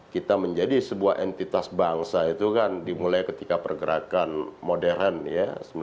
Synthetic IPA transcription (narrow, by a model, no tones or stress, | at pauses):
kit̪aməɲd͡ʒadisəbuahʔɛnt̪it̪asbaŋsait̪ukandimulajkət̪ikapərɡəɾakanmodɛɾənjasəm